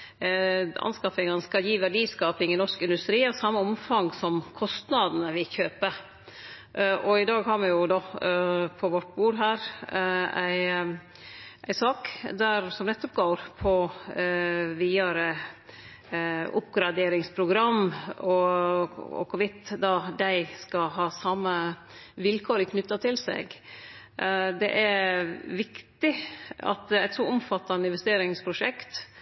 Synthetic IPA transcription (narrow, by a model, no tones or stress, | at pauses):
ʔɑ̰nskɑfɪŋənskɑljiːʋæɖiːskɑːpɪŋɪnɔʂkɪnd̪ʉst̪ɾiːɑsɑmːəɔmfɑŋsɔmkʰɔst̪nɑd̪n̩əʋɪçøːpə | ʔʔɔɪd̪ɑːɡɦɑːɾmɛjʊd̪ɔ | pʰɔʋɔʈːbuːɖɦæːɾ | æɪ | ʔæɪsɑːkd̪æɾsɔmnɛt̪ːɔp̚ɡoːɾpʰɔ | ʋiːɑɾə | ʊpɡɾɑd̪eːɾɪŋspʰɾʊɡɾɑmːɔ | ɔ̰kʰɔʋɪt̪ːd̪ɑd̪æɪskɑɦɑːsɑmːə | ʋɪlkʰoːɾɪkʰnʉt̪ːɑt̪ʰɪlsɛ̰ɡ | d̪ɛ̰ʔæɾʋɪkt̪ɪɑ̰t̪æɪt̪sɔʊmfɑt̪ːɑnəɪnʋɛst̪eːɾɪŋspʰɾʊʂɛkt̪